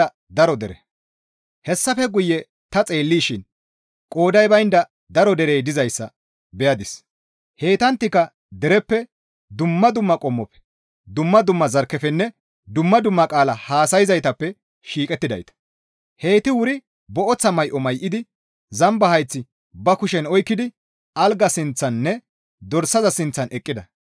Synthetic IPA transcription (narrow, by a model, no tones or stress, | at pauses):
ɐ | d̪ɐɾɔd̪ɛɾɛ | hɛsːɐfɛɡʊjːɛ | t̪ɐt͡sʼe̞ːlːiːʃɪn | kʼoːd̪ɐjbɐjnd̪ɐ | d̪ɐɾɔd̪ɛɾeːd̪ɪzɐjsːɐ̰ | bɛjɐd̪ɪs | he̞ːt̪ɐnt̪ːɪkːɐ | d̪ɛɾɛpːɛ | d̪ʊmːɐd̪ʊmːɐkʼɔmːɔpːɛ̥ | d̪ʊmːɐd̪ʊmːɐzɐɾkːɛfɛnːɛ | d̪ʊmːɐd̪ʊmːɐkʼaːlɐhaːsɐjɪzɐjt̪ɐpːɛ | ʃiːkʼɛt̪ːɪd̪ɐ̰jt̪ɐ̥ | he̞ːt̪ɪwʊɾɪ | bɔʔɔt͡sːɐmɐjʔɔmɐjʔɪd̪ɪ | zɐmbɐhɐjt͡sːɪ | bɐkʊʃɛnɔjkːɪd̪ɪ | ʔɐlɡɐsɪnt͡sːɐnːɛ | d̪ɔɾsɐzɐsɪnt͡sːɐnʔɛkʼːɪd̪ɐ